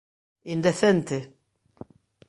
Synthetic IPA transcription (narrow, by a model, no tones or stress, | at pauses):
ind̪eθent̪e